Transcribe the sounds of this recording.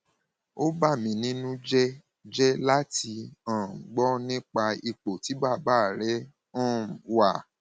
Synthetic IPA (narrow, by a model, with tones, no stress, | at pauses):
o˦ba˦˨mĩ˨˦nĩ˦nũ˦d͡ʒɛ˦ | d͡ʒɛ˦la˦ti˧ã˨ɡ͡bɔ˦nĩ˦k͡pa˧i˧k͡po˨ti˨˦ba˦˨ba˦˨ɾɛ˦ | ɔ̃˦˨wa˦˨